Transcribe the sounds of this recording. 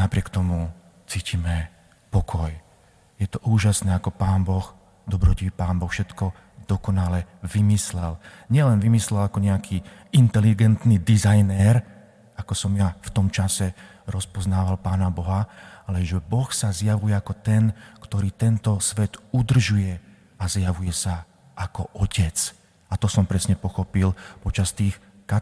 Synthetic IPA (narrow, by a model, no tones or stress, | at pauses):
napɾɪɛkt̪ɔmu | t͡siːcimɛ | pɔkʰɔj | jɛt̪ɔʔuːʒasnɛːakɔpaːnbɔx | d̪ɔbɾɔcipaːnbɔxfʃɛt̪kɔ | d̪̥ɔkɔnalɛʋimislɛlɲɪɛlɛnʋimislɛlakɔɲɛakʰiː | int̪ɛliɡɛnt̪nid̪izajnɛɾ | akɔsɔmjaft̪ɔmt͡ʃasɛ | ɾɔspɔznaːʋalpaːnabɔɦalɛʒɛbɔxsazjaʋujɛakɔt̪ɛnkt̪ɔɾiːt̪ɛnt̪ɔsʋɛt̪ud̪r̩ʒujɛ | azjaʋujɛsa | akɔʔɔcɛt͡s | at̪ɔsɔmpɾɛsɲɛpɔxɔpilpɔt͡ʃast̪iːx | ka